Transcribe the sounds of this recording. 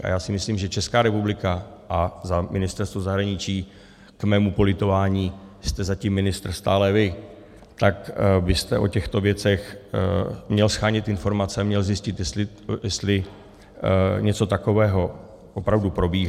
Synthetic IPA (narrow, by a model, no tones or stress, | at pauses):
ʔa̰jaːsɪmɪsliːmʒɛt͡ʃɛskaːɾɛpublɪkaʔazamɪnɪst̪ɛɾst̪vozaɦɾaɲɪt͡ʃiː | kmɛːmupo̞lɪt̪o̞vaːɲiːst̪ɛzacimːɪnɪst̪ɾ̩st̪a̰ːlɛvɪ | t̪akbɪst̪ɛʔo̞̰cɛxt̪o̞vjɛt͡sɛx | mɲɛlsxaːɲɪt̪ʔɪnfo̞ɾmat͡sɛamɲɛlzɪscɪt̪jɛsɪ | jɛst̪lɪ | ɲɛt͡so̞t̪ako̞vɛːɦo̞ | ʔopɾavdupɾo̞biː